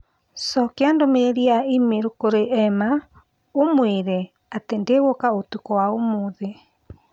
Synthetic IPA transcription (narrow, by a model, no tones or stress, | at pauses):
sɔkeandomeeɾiaimeɾokoɾeʔɛma | omweɾɛ | atendeɣokaotukɔwaomoðe